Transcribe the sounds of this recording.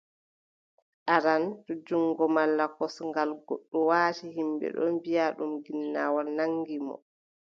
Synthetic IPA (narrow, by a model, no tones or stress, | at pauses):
ʔaɾantɔd͡ʒuŋɡɔmalːakɔsŋɡalɡo̰ɗːuwaːtihimbɛ̰ɗɔ̰nbijaɗumɡinːaːwalnaŋɡimɔ̰